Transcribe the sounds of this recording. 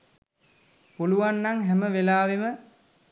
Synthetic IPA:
puluʋanːaŋɦɛməʋelaːʋemə

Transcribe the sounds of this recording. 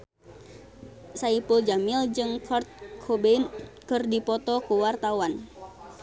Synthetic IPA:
saipuld͡ʒamild͡ʒɨŋkʰɔrt̪̚kʰɔbeinkɨrdipɔt̪ɔkuwart̪awan

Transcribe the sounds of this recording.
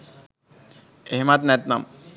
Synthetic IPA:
eɦmat̪net̪na̰m

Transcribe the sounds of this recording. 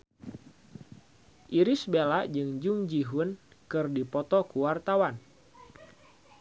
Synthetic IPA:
ʔiɾɪsbelaʔd͡ʒɨŋd͡ʒuŋd͡ʒiɦunkɨrdipɔt̪ɔkuwart̪awan

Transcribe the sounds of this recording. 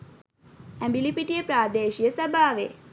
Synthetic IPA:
æmbilipiʈijəpɾaːd̪eːʃijəsəbʱaːʋe

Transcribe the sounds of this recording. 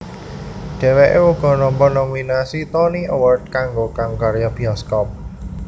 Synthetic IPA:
ɖ̥ɛ̤weʔeuɡ̥ɔ̤nɔmpɔnɔminasit̪ɔniʔowərt̪̚kaŋɡokaŋkaɾjab̥iɔskɔp̚

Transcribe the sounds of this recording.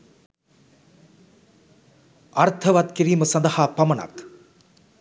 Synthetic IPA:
ɐrt̪ʰəʋat̪kiɾiːməsɐnd̪ɐhaːpɐmɐna̰k̪

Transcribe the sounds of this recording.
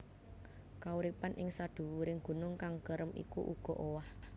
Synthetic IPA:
kauɾipanʔɪŋsad̥ṳwuɾɪŋɡ̥ṳnʊŋkaŋkəɾəmʔḭkṵʔuɡ̥ɔ̤ʔowah

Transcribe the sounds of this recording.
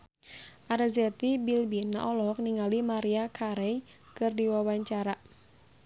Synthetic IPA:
ʔaɾazɛt̪ibilbina̰ʔɔlɔk̚niŋalimaɾiakʰaɾɛj | kɨrdiwawaɲt͡ʃaɾa

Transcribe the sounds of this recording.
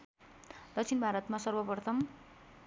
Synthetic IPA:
d̪ʌk̚t͡sʰinbʱaɾʌt̪masʌrbʌprʌt̪ʰʌm

